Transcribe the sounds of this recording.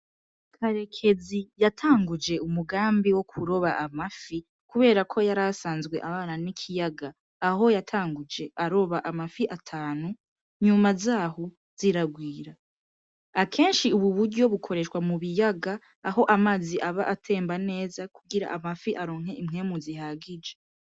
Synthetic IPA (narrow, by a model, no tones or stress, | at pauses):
kʰaɾe̞kʰe̞zijatʰaːŋɡud͡ʒe̞umuɡaːmbiwo̞kʰuɾo̞βaʔamafi | kuβe̞ːɾakʰo̞jaɾasaːnzɡwe̞ʔaβaːnanikʰijaɡaː | ɦo̞jatʰaːŋɡud͡ʒe̞ʔaɾo̞βaʔamafiʔatʰaːnu | ɲumazaːho | z̥iɾaɡwiːɾa | akʰe̞ːnʃiuβuβuɾɟo̞βukʰo̞ɾe̞ʃwamuβijaɡaː | ɦo̞ʔamaziʔaβaʔatʰe̞ːmbane̞ːzakuɡiɾa̰ʔamafiʔaɾo̞ːŋhe̞ʔimŋe̞ːmuziɦaːɡid͡ʒe